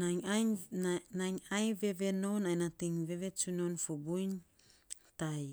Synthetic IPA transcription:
naa | naɲajve̞βe̞no̞najnatiŋve̞βe̞t͡ʃunonfobujn | taj

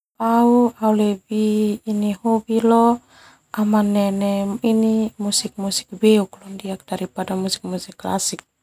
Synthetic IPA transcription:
auaulɛbiːnihɔbilɔ | ʔamanːɛnɛinimusik̚musi̥k̚bɛuklɔndiak̚d̥aɾipadamusi̥k̚musikːla̰sik̚

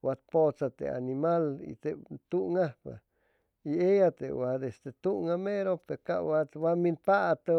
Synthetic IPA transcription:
wat̪̚pot͡sat̪ḛa̰nimalḭt̪et̪uŋapa̰ | iejat̪ḛwad̪esd̪et̪uŋameɾopeɾka̰ʔwawaminpat̪a

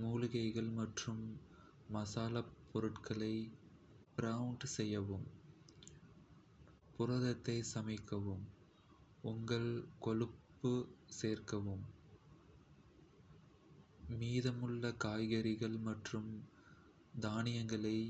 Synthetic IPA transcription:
muːlʊɣɐɪɣɐɭmɐʈrɯmː | ɐsaːlɐpːɔɾɯʈkʰɐɭɐɪ | pɪɾɐʊɳɖsɛjːɐʋɯm | pʊrɐðɐt̪ːɐɪsɐmɐɪkːɐʋɯm | ʊŋɡɐɭkɔɻɯpːɯseːrkɐʋɯm | miːðɐmɯɭːɐkaːjɣɐɾɪɣɐɭmɐʈrɯm | d̪aːnɪjɐŋɡɐɭɐɪ

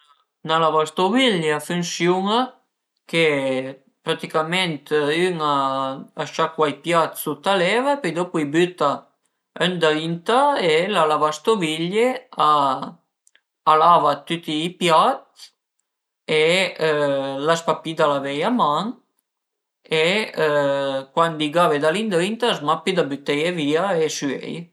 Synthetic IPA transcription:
nalavast̪oviʎeafunsjuŋa | ke | pɾat̪ikamɛnt̪yŋaaʃakwajpjat̪sut̪alɛvapd̪opujbyt̪a | ɛnd̪aint̪aelalavast̪oviʎea | lavat̪yt̪iːpjat̪̚ | e | laspapid̪alavɛjamaŋ | e | kwand̪iɡaved̪alind̪ɾint̪asmapid̪abyt̪ɛjeviaesyɛ̰j

